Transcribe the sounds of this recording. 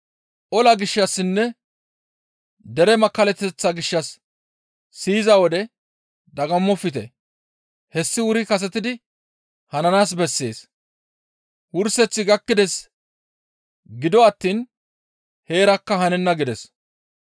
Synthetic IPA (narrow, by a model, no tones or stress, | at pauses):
ʔɔlɐɡɪʃːɐsːɪnːɛ | d̪ɛɾɛmɐkːɐlɛt̪ːɛt͡sːɐɡɪʃːɐsː | iːzɐwɔd̪ɛ | d̪ɐɡɐmːɔfːɪt̪ɛ | hɛsːɪwʊɾɪkɐs̬ɛt̪ɪd̪ɪ | hɐnɐnaːs̬bɛsːe̞̰ːs | wʊɾsɛt͡sːɪɡɐkːɪd̪ɛs | ɡɪd̪ɔɐt̪ːiːn | he̞ːɾɐkːɐhɐnɛnːɐɡɪd̪ɛs